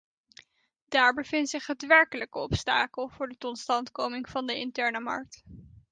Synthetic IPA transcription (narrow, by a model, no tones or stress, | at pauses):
daːɹbəv̥ɪntsɪχɦətʋɛɹkələkəɔpstaːkəlˠv̥ʊːɹdətɔtstɑntkowmɪŋv̥ɑndəɪntɛɹnəmɑ̰ɹk̚t